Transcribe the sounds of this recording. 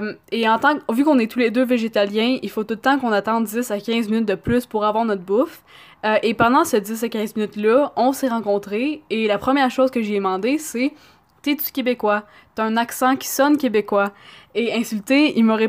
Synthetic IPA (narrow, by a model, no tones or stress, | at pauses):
meɑ̃t̪ɑ̃kvykɔ̃nɛt̪uled̪øveʒet̪aljɛ̃ilfot̪ult̪ɑ̃kɔ̃nat̪ɑ̃d̪dd͡zɪsakʲɛ̃zminyt̪̚d̪əplyspuʁavwaːʁnɔt̪̚bʊf | ʔepɑ̃d̪ɑ̃səd̪ɪs̬akʲɛ̃zminyt̪lʌɔ̃seʁɑ̃kɔ̃t̪χeelapχəmjɛːʁʃoʊzkəʒeɛmɑ̃d̪ese | t̪ɛty̥kʲebekwa | t̪yaɛ̃naksɑ̃kʲi̥sɔnkʲebekwaeɛ̃sylt̪eilmɔʁɛ